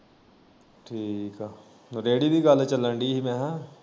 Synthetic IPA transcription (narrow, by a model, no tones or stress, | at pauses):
ʈʰiːkaː | ɾeːɽibʱiɡaːlet͡ʃɐlːãɳɖiɦimɛ̃ɦã